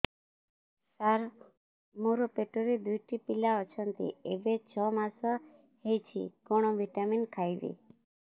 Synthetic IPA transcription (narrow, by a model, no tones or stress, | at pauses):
saɾ | muɾopeʈoɾed̪ujʈipilaɔt͡ʃʰɔnt̪ḭebet͡ʃʰɔmasɔ | hejt͡ʃʰḭkɔɽ̃ɔʋiʈaminkʰajʋḭ